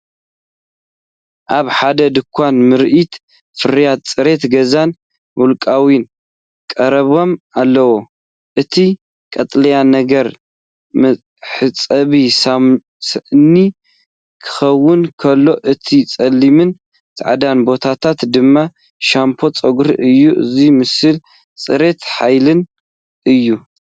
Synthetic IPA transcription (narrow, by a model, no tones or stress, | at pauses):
ʔaβħad̪ɐd̪ɨkʰʷːanmɨɾʔit̪ | fɨɾjad̪̚t͡sʼɨɾe̞t̪ɡɐzan | mulkʼawin | kʼɐɾɐβo̞malːɐwo | ʔɨt̪ʰi | kʼɐt̪ʼlɐjanɐɡɐɾ | m | ħɨt͡sʼɐβisa | sni | kʰɨ̥xɐwːɨnkʰɐlːo̞ʔɨt̪ʰit͡sʼɐlːimɨn | t̪ʰʕa̰d̪anbo̞t̪ʰat̪ʰat̪d̪ɨmːa | ʃampʰo̞t͡sʼɐɡɾʔɨjːuʔɨ̰zimɨsɨl | t͡sʼɨɾe̞t̪ħajlɨn | ʔɨjːu